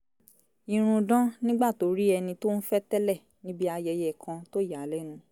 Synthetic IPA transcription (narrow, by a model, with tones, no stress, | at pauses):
i˧ɾ̃ũ˧dã˦nĩ˦ɡ͡ba˦˨to˨˦ɾi˦ɛ˧nĩ˧to˦ñ̩˦fɛ˦tɛ˦lɛ˦˨ | nĩ˦bi˦a˧jɛ˧jɛ˦˨kʰã˧to˦ja˨lɛ˦nũ˧